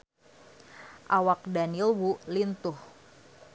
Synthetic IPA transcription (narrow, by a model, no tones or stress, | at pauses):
ʔawak̚danilwulint̪ʊh